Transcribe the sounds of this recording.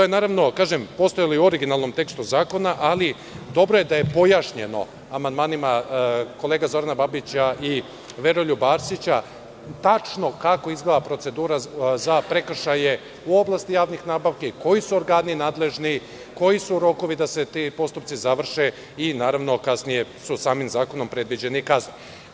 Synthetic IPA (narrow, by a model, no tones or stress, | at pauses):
ojenaːɾaʋno̞kaːʒempo̞st̪ojaloiuo̞ɾiɡinalˠno̞mt̪e̞kst̪uzaːko̞naʔali | d̪o̞bɾoje̞d̪aje̞po̞jaʃɲe̞no̞̰ | amand̪maːnimako̞lˠe̞ːɡazo̞ɾanababit͡ɕai | ʋe̞ɾoʎubaːɾsit͡ɕa | t̪at͡ʃno̞kako̞izɡeʋapɾo̞t̪se̞d̪uːɾazapɾe̞kr̩ʃaje̞ | uo̞blˠast̪ijaːʋnixnaːbaʋkeiko̞jisuoɾɡaːninaːd̪le̞ʒni | ko̞jisuɾo̞ko̞ʋid̪ase̞t̪ipo̞st̪upt̪sizaʋr̩ʃe̞ | inaːɾaʋno̞kasnije̞susaːmimzaːko̞no̞mpɾe̞d̪ʋid͡ʑe̞nikazni